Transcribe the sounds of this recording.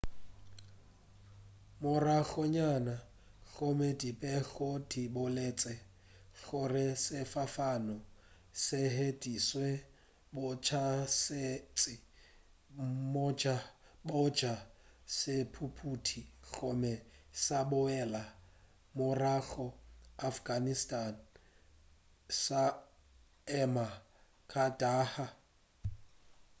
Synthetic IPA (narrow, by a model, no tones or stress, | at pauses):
mʊraɣɔɲana | ɣɔmedipʼɛɣodibʊleːt͡sʼɛ | ɣʊrɪsɪfafanɔ | sɪɦedʼiswe | bʊt͡ʃʰasɪt͡sʼɪ | mɔd͡ʒa | bʊd͡ʒasɪpʰupʰutʰik͡xɔmɛsabʊɛla | mʊrak͡xɔafɡanistʼan | sa | ɛma | kʰʼadʼaːha